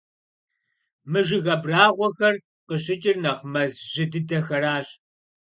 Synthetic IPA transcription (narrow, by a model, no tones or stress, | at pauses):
mɨʒɪɣɐbraːʁʷɔxɐr | qəɕɪt͡ʃʼɪrnɐʁmɐzʒɪdɨdɐxɐɾaːɕ